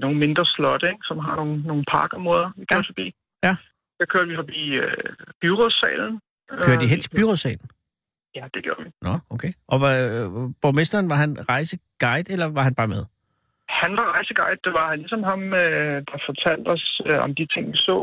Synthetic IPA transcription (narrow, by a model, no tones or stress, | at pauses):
no̝ːn̩me̝nd̥ʁɐslɒ̽d̥əeɡ̥sɒ̽mɦɑ̈no̝ːn̩ːo̝ːn̩pʰɑ̈ːɡ̥ɒmʁo̝ðˠɐʋikʰøɐd̥fɒb̥ḭː | jæ | d̥ɑkʰøɐd̥ʋifɒ̽b̥ḭːøb̥yʁosɛ̰ːln̩ | køɐdd̥iɦent͡sʰe̝byʁosɛ̰ːln̩ | jæd̥e̝ɡ̥jo̝ːɐʋinɒokʰeːʔɒ̽ʋɑb̥omesd̥ɐːnʋɑ̈ɦænʁɑ̈ɪsəɡ̥ɑ̈ɪd̥elɐʋɑ̈ɦænb̥ɑ̈ːmeðˠ | hænʋɑ̈ʁɑ̈ɪsəɡ̥ɑ̈ɪd̥̚d̥eʋɑ̈hænlisɒ̽mɦɑ̈mød̥ɑ̈fɒt͡sʰæl̰d̥ɒsøɒ̰md̥it͡sʰe̝ŋ̰ʋisɔ̰ː